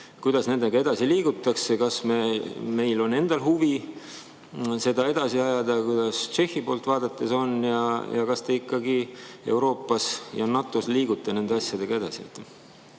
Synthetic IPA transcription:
kujd̪̥ɑsne̞nd̪e̞ɡ̥ɑe̞d̪̥ɑsiliːɡut̪ːˑɑksekɑsmeme̞jlo̞ne̞nd̪̥ɑlɦuvi | se̞d̪ɑe̞d̪̥ɑsiɑjɑd̪̥ɑkujd̪̥ɑst͡ʃe̞hːipo̞ːlt̪vɑːd̪̥ɑt̪ːˑeso̞njɑjɑ̰kɑst̪eikːɑɡie̞̰wɾo̞ːpːˑɑsjɑnɑt̪ːˑo̞sliːɡut̪ːˑɑne̞nd̪eɑsjɑd̪̥e̞ɡ̥ɑe̞d̪ɑsiet̪ːˑ

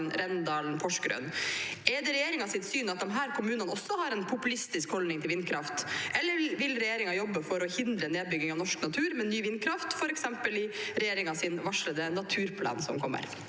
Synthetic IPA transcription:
nɾɛnd̪ɑːlnpʰɔʂkɾø̰nɛd̪ɛɾɛjeːɾɪŋɑsɪt̪syːnɑt̪̚d̪ɛmɦæːɾkʰʊmʉːnənɔsːɔhɑɾɛnpʰʊpʉlɪst̪ɪskhɔlnɪŋt̪ʰɪlʋɪnkʰɾɑft̪ʔɛlːəɾʋɪlɾɛjeːɾɪŋɑjɔbːəfɔɾɔhɪnd̪ɾəneːd̪̚bʏɡɪŋɑʋnɔʂknɑt̪ʰʉːɾmɛnːyːʋɪnkʰɾɑft̪fɔɾɛksɛmpəlɪɾɛjeːɾɪŋɑsɪnʋɑʂɭəd̪ɛnːɑt̪ʰʉːɾpʰlɑ̰ːnsɔ̰mkʰɔmːə̰ɾ

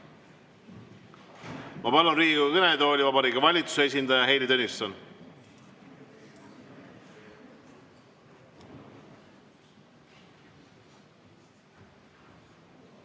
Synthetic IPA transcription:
mɑpɑlonriːukɤned̪oːlʲivɑbɑɾiːɡɑvɑlʲit̪u̥sees̬ʲind̪ɑjɑɦe̞jlit̪onʲːist̪ɑn

